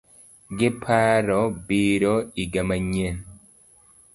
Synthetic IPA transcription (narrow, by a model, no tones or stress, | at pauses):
ɡepʰaɾobiɾoiɡamaɲen